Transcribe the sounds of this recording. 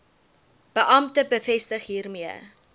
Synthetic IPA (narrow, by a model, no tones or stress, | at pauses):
b̥əʔɐmtəbəfɛstəχɦiːrmiə